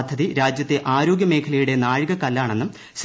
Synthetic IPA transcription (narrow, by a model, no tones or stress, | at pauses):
d̪ʱːɐðiɾaːd͡ʑjɐt̪ːeʔaːɾo̞ːɡʲjɐme̞ːkʰɐlɐjuɽe̞naːɻɨɣɐkɐlːaːɳe̞nːum | s